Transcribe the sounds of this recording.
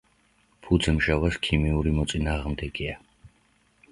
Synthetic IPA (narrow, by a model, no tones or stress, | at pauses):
pʰud̪zɛmʒavaskʰimiuɾimɔt̪sʼinaːʁmd̪ɛɡia